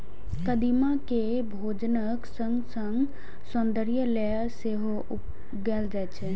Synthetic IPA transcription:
kəd̪imake | bʱoːd͡ʒnəksə̃ŋɡsəŋɡ | sɔnd̪əɾjəlɛ | seɦo | up | ɡɛːld͡ʒaɛt͡ʃʰɛ

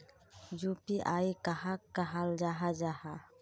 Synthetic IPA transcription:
d͡ʒupiʔajkaɦakːaɦald͡ʒaɦad͡ʒaha

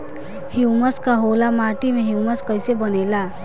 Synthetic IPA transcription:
hiwməskaɦolamaʈimeɦiwməskəjsebənela

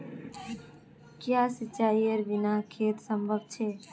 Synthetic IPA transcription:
kjasit͡ʃaijəɾbinakʰeːt̪səmbʱəb̚t͡ʃʰe

